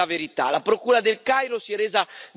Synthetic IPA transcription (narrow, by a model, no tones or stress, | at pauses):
aveɾit̪a̰lapɾokuːɾad̪elkajɾosiɛreːza